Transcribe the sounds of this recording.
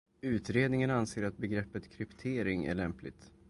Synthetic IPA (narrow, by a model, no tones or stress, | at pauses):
ʉ̟ːt̪ɾeːd̪nɪŋənanseːɾat̪̚bɛɡɾɛpːət̪kʰɾɪpt̪ʰeːɾɪŋæ̰ɭɛmplɪ̰ɡt̪